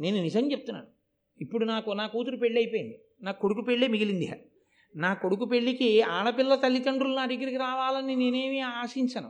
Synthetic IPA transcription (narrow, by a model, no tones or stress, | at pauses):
ne̞ːnunisɐmt͡ʃep̚t̪unːa̰ːnu | ipːuɽunaːkunaːkuːt̪uɾupe̞ɭːɐjpoːjind̪i | naːkkːo̞ɽukupeɭːeːmiɡilind̪ia̰ | naːko̞ɽuk̬upeɭːikiaːɽɐpilːɐt̪ɐlːikɐɳɖɾulunaːd̪eɡɐiɾikiɾaːʋaːlɐnːine̞ːne̞ːmiaːʂiɲt͡ʃɐnu